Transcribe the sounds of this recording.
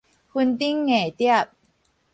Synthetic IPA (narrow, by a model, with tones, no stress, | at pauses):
hu˧nt̪i˦˥ŋːe˨˩t̪i˦˥˩ə˨p̚